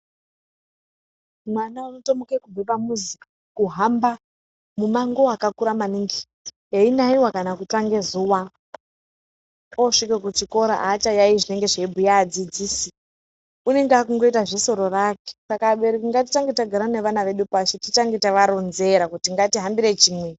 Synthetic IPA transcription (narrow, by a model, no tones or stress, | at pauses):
mwanaano̞tomokekubepamuziko | kuɦamba | mumaŋɡo̞akakuɾamaniŋɡi | jeinaiwakanakutaŋɡe̞zuwa | oʂikekut͡ʃiko̞ɾa̰ʔat͡ʃajaiʐine̞ŋɡe̞ʐeibʱujaːd͡zid͡ziːsi | une̞ŋɡeakuŋɡo̞itaʐeso̞ɾo̞rake̥sakaɓeɾekuŋɡatit͡ʃaŋɡetaɡʱaɾane̞ʋanaʋe̞ɗupat͡ʃotit͡ʃaŋɡetaʋaɾo̞nze̞ɾakutiŋɡatiɦambiɾe̞t͡ʃiːmwe